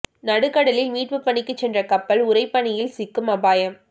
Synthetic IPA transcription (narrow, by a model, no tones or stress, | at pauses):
nɐɽɯkːɐɽɐlɪlmiːʈʋɯpːɐɳɪkːɯt͡ʃːɛndrɐkɐpːɐlʊɾɐɪpːɐɳɪjɪlsɪkːɯmɐbaːjɐm